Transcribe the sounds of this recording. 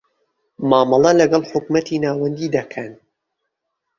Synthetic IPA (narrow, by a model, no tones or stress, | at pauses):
maːmɑlˠɐlɐɡɐlˠħʊkmɐt̪ʰiːnaːwɐnd̪iːd̪ɐkʰɐn